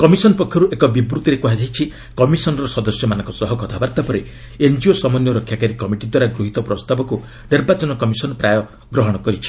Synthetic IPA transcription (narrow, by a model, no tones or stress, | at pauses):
kɔmisɔnɔpɔkʰjɔɾuʔekɔbibɾut̪iɾekuɦad͡ʒajit͡ʃʰi | kɔmisɔnɔɾɔsɔd̪ɔsjɔmanɔ̃ŋkɔsɔɦɔkɔt̪ʰabaɾt̪apɔɾe | end͡ʒiosɔmɔnjɔɾɔkʰjakaɾikɔmiʈid̪waɾaɡɾuɦit̪ɔpɾɔst̪abɔku | niɾbat͡ʃɔnɔkɔmisɔnɔpɾajɔ | ɡɾɔɦɔɽ̃ɔkɔɾit͡ʃʰi̥